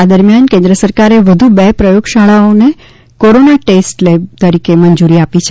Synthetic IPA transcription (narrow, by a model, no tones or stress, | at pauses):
ad̪əɾmjankẽnd̪ɾəsəɾkaɾeʋəd̪ʱubepɾəjoɡʃaɭaone | koɾonaʈesʈlebt̪əɾikemənd͡ʒuɾiapit͡ʃʰe